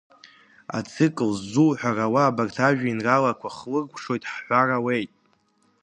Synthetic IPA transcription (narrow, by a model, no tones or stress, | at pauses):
a̰t͡sʰɨkʼɨlzːuħʷᶣarawaːbartʰaʒᶣainralakʷʰaχlɨrɡʷʂo̞jtʼħħʷarawe̞jtʼ